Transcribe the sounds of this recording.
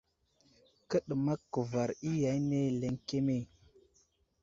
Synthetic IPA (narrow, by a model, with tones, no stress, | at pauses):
kə˦ɗə˨ma˦kːə˨va˨ɾi˦ja˨jne˦le˨ŋke˦me˦˨